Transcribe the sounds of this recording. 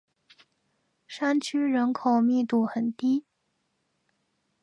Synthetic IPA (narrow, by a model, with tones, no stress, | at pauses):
ʂa˥nt͡ɕʰy˥ɻə˧˥nkʰo˨˩ʊmi˥˧t̪u˥˩xə˨˩nt̪i˥